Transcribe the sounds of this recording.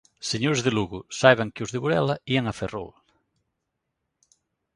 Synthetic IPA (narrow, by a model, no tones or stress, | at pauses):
seɲoɾzðeluɣusaβaŋkeuzðeβuɾɛlɐiaŋafero̰l